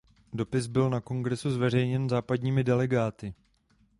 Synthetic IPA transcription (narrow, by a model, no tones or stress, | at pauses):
do̞pɪzbɪlnako̞ŋɡɾɛsuzvɛr̝ɛjɲɛnzaːpadɲiːmɪdɛlɛɡaːt̪ɪ